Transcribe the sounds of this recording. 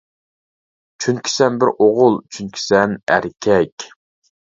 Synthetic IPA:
t͡ʃʰynkʲʰi̥sɛnbɪɾoʁʊlˠt͡ʃʰynkʲʰi̥sɛnæ̰ɾkʲʰɛkʲ

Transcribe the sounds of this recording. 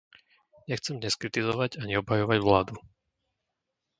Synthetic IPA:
ɲɛxt͡sɛmɲɛskɾit̪izɔʋaɟaɲɛɔbɦajɔʋaɟʋlaːd̪u

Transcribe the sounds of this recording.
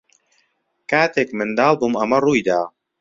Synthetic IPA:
kaːt̪ekmɨnd̪ɑːlˠbumamɐrujd̪aː

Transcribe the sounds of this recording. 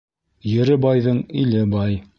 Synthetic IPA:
jɘ̆ɾɘbɑjðɤɴilɘbɑj

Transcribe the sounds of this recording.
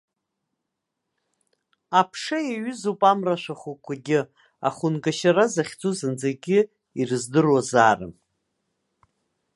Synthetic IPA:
apʰʂajaɥʏzupʼamraʃʷaχukʷʰaɡʲɪ | a̰χʊnɡaʃarazaχʲt͡sʼuzɨnd͡zaɡʲɪ | irɨzdɨrwazaːra̰

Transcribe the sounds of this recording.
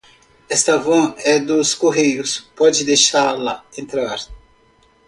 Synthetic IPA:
ɛst̪ɐvõɛd̪ʊskoɦejʊspɔd͡ʒɪd̪ejʃaɾlɐẽnt̪ɾaɾ

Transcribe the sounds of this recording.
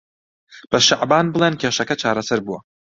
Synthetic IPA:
b̥ɐʃaʕbaːnbɨlˠenkʰʲeːʃɐkɐt͡ʃʰaːɾɐsɐɾbuwɐ

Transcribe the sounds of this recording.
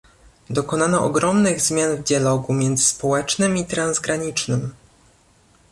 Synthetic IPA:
d̪ɔkɔnanɔʔɔɡɾɔmnɘɣzmʲjanvd̪ʲjalɔɡumʲjɛnd̪zɘspɔwɛt͡ʂnɘmit̪ɾanzɡɾaɲit͡ʂnɘm

